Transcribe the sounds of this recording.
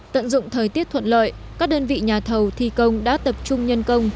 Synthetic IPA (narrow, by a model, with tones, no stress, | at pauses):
t̪ə̰˧˨nzʊ̰˧˨ŋ͡mt̪ʰəː˨˩jt̪i˦˥ət̪ʰwə̰˧˨nlə̰ː˧˨jkaː˦˥k̚ɗəː˧nvḭ˧˨ɲaː˨˩t̪ʰə˨˩wt̪ʰi˨˩kə˧wŋ͡mɗa̰ː˧˥t̪ə˨˩p̚t͡ɕʊ˧ŋ͡mɲə˧nkə˧wŋ͡m